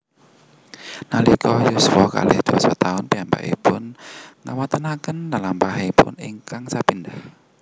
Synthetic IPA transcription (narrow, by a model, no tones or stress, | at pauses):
nalikɔjuswɔka̰lɪhd̪̥ua̰sat̪aʊnpiampa̰ʔḭpʊnnawat̪ənakəndalampaɦepʊ̰niŋkaŋsapindah